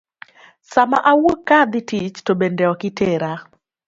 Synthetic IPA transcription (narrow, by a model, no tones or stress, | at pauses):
samaʔawokad̪ɪtit͡ʃtobendɛɔkɪteɾa